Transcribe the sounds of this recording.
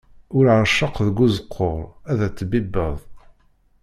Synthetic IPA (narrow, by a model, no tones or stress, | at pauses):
ʊɾʕəʃːəqðəɡʷːuzəqʰːoɾˤæðæt͡sːbibːəðˤ